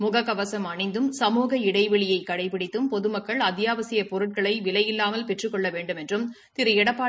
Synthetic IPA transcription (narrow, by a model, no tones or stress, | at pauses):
mʊɣɐkːɐʋɐsɐmɐɳɐɪnd̪ɯmsɐmuːɣɐɪɽɐɪʋɛɭɪjɐɪkːɐɽɐɪpːɪɽɪt̪ːɯmpɔðɯmɐkːɐɭɐðɪjaːʋɐsɪjɐpɔɾɯʈ̚kɐɭɐɪʋɪlɐjɪlːaːmɐlpɛʈrɯkːɔɭːɐʋeːɳɖɯmɛndrɯm | t̪ɪɾɯɛɽɐpːaː